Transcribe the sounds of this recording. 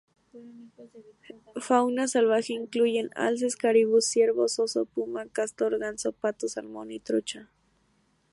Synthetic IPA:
fawnasalβaxeiŋklujena̰ls̬eskaɾiβʊsjeɾβososopumakast̪oɾɣansopat̪osalmonit̪ɾʊt͡ʃa

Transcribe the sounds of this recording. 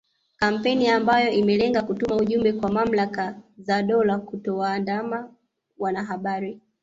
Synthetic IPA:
kam̩pɛniambajɔimɛlɛŋɡakutumauʄumbɛkwamam̩lakazaɗɔlakutɔwaːndama | wanaɦaɓaɾi

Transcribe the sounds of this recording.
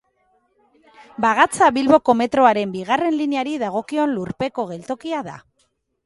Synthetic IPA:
baɣat͡saβilβo̞ko̞me̞t̪ɾo̞aɾe̞mbiɣare̞nlineaɾiðaɣ̞o̞kio̞nluɾpe̞ko̞ɣe̞lt̪o̞kiaða̰

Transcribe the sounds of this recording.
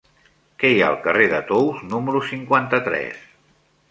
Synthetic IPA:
kɛjaəlˠkəreðət̪owznuməɾusiŋkwant̪ət̪ɾɛ̰s

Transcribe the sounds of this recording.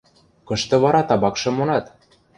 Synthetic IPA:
kɤ̆ʃt̪ɤ̆βɑɾɑt̪ɑβɑkʃɤ̆monɑt̪

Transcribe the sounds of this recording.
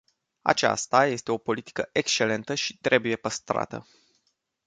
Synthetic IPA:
a̰t͡ʃa̰st̪aje̞st̪e̞o̞po̞lit̪i̥kəʔe̞kst͡ʃe̞le̞nt̪əʃit̪ɾʔe̞buje̞pəst̪ɾa̰t̪ə̰

